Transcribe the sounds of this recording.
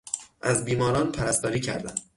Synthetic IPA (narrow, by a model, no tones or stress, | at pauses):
ʔæzbiːmɒːɾɒːnpʰæɾæst̪ɒːɾiːcʰæ̰ɾd̪æ̰m